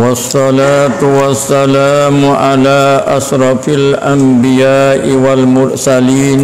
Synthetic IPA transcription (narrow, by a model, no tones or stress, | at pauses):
wɑsːɑlaːt̪uwasːalaːmʕalaːʔaʃɾɑfalʔambijaːʔiwalmʊɾsaliːn